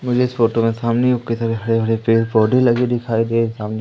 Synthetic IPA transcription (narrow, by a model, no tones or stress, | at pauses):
mʊd͡ʒʱeɪsfoːʈomẽsaːmneʊkesaɾeɦɐɽeɦɐɽepeːlpɔːɖʱelɐɡed̪ɪkʰaːed̪eːsaːmne